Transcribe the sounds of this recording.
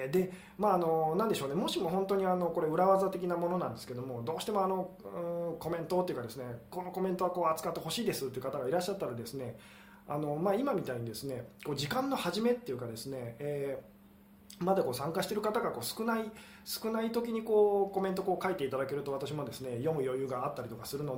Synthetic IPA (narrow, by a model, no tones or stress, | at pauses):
d̪e̞ | maːno̞nãnd̪e̞ɕo̞ːnemo̞ɕimo̞ɦõ̞nt̪o̞ɲ̟iano̞ko̞ɾe̞ɯ̟ɾaβazat̪e̞kʲinamo̞no̞nãnd̪e̞sɨ̥ke̞d̪o̞mo̞d̪o̞ːɕi̥t̪e̞mo̞ano̞ɯ̃ko̞mẽ̞nt̪o̞t̪eiɯ̟kad̪e̞sɨne̞ko̞no̞ko̞mẽ̞nt̪oako̞ːat͡sɨ̥kat̪ːeɦo̞ɕiːd̪e̞sɨt̪ːeiɯ̟kat̪aɡaiɾaɕːat̪ːaɾad̪e̞sɨne̞ | a̰no̞maːimamʲit̪aiɲ̟id̪e̞sɨne̞ko̞ːd͡ʑikãnːo̞haʑime̞t̪ːe̞iɯ̟kad̪e̞sɨne̞ː | mad̪ako̞ːsãŋkaɕi̥t̪e̞ɾɯ̟kat̪aɡako̞ːsɨ̥kɯ̟nai | sɨ̥kɯ̟nait̪o̞kʲiɲ̟iko̞ːko̞ment̪o̞ko̞ːkait̪e̞it̪ad̪ake̞ɾɯ̟t̪o̞β̞at̪aɕ̬imo̞d̪e̞sɨne̞jo̞mɯ̟jo̞jɯ̟ːɡaːt̪ːaɾʲit̪o̞kasɨɾɯ̟no̞